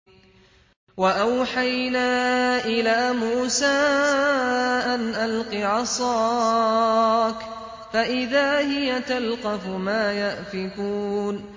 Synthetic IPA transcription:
waʔawħajnaːʔɪlaːmuːsaː | ʔanʔalqiʕɑsˤɑː | k | faʔɪðaːhɪjat̪alqɑfʊmaːjaʔfɪkuːn

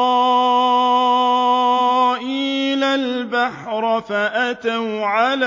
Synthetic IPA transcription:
ʔiːlalbaħɾˤfaʔat̪awʕal

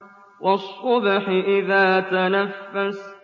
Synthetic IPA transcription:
wɑsˤːʊbħɪʔɪðaːt̪anafːas

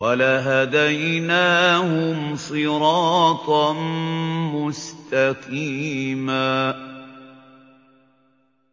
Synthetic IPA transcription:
walaɦad̪ajnaːhʊmsˤɨɾɑːt̪ˤɑnmʊst̪aqiːmaː

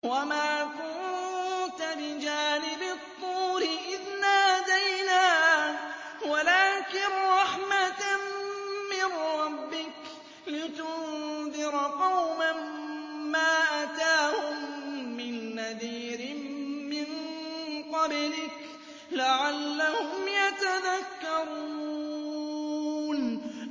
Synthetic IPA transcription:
wamaːfu | t̪abɪd͡ʒaːnɪbɪt̪ˤːuːɾɪʔɪðnahad̪ajnaː | walaːkɪnɾˤɑħmat̪aː | ɪnɾɾɑbːɪk | lɪt̪ʊnd̪ɪɾqɑwmamː | aːʔat̪aːhʊmːɪnːaðiːɾɪmɪnqɑblɪk | laʕalːahʊmjat̪aðakːɑɾu | n

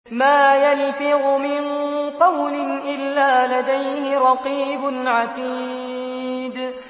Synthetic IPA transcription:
maːjalfɪɣʊmɪnqɑwlɪnʔɪlːaːlad̪ajhɪɾˤɑqiːbʊnʕat̪iː | d̪

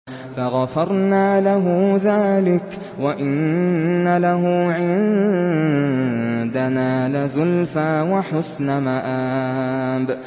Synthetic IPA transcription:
faɣafɑɾˤnaːlaɦʊðaːlɪk | waʔɪnːalaɦʊːʕɪn | d̪anaːlɪzʊlfaːwaħʊsnamaʔaːb

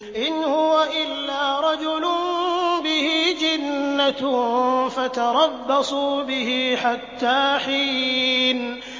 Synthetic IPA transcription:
ʔɪnhʊwaʔɪlːaːɾˤɑd͡ʒʊlʊnbɪhiːd͡ʒanːa | fat̪ɑɾˤɑbːɑsˤuːbɪhiːħat̪ːaːħiːn

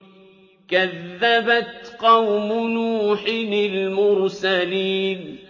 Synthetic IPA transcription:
kaðːabat̪qɑwmʊnuːħɪnɪlmʊɾsaliːn

